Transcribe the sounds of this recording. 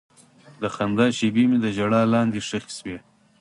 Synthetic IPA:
d̪əxand̪ɑːʃibimid̪əʒaɽɑːlɑːnd̪iʂəxswe

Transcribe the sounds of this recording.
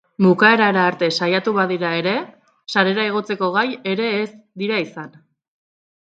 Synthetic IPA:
mukae̞ɾaeɾaːɾt̪e̞sajat̪uβaðiɾae̞ɾe̞ | saɾe̞ɾaeɣ̞o̞t͡se̞ko̞ɣ̞aje̞ɾe̞ːsd̪iɾaisan

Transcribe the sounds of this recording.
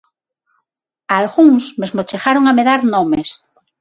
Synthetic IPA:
alɣuŋsmezmot͡ʃexaɾoŋameðaɾnõmes

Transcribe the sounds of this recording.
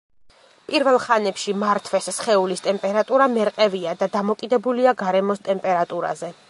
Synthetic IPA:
pʼiɾvɛlˠχanɛpʃimaɾt̪ʰvɛssχɛulist̪ʼɛmpʼɛɾat̪ʼuɾamɛɾqʼɛviad̪ad̪amɔkʼid̪ɛbuliaɡaɾɛmɔst̪ʼɛmpʼɛɾat̪ʼuɾa̰zɛ

